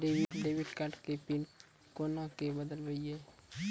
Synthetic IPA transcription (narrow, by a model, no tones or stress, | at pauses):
ɖebiɖebiʈkaʈkepin | konakebəd̪əlbəie